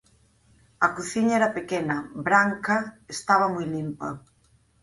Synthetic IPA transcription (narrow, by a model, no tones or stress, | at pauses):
ɐkuθiɲaɛɾɐpekenɐbɾaŋkɐest̪aβ̞ɐmujlimpɐ